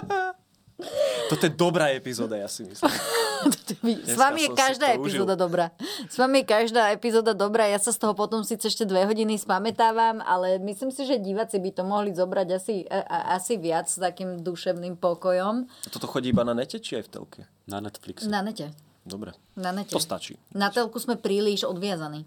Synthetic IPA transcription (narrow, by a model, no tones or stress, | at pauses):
t̪ɔt̪ɔjɛd̪ɔbɾaːɛpizɔːd̪ajasimḭst̪ɔ̥t̪ɔʋizʋamijɛkaʒd̪aːɛizɔːd̪ad̪ɔbɾaːsʋamijɛkaʒd̪aːɛpizɔːd̪ad̪ɔbɾaːjasast̪ɔɦɔpɔt̪ɔmsiːt͡sɛɛʃcɛd̪ʋɛɦɔɟinispamɛt̪aːʋama̰lɛmisliːmsiʒɛɟiːʋat͡sibit̪ɔmɔɦlizɔbɾaɟasiʔasiʋɪat͡sst̪akiːmd̪uʃɛʊnimpɔkɔjɔmat̪ɔt̪ɔxɔɟiibananɛcɛt͡ʃiajft̪ɛ̰lkʰɛ̰ | aɛt̪fliksnanɛcɛ | d̪ɔbɾɛ̰ | nanɛtcɛɔst̪a̰t͡ʃḭːnat̪ɛlkuzmɛpɾiːliʒɔd̪ʋɪazaniː